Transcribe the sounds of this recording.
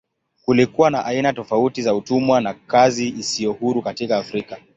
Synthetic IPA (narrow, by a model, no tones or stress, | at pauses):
kulikuwanaʔainatɔfautizautumwanakaziisijɔhuɾukatikaːfɾika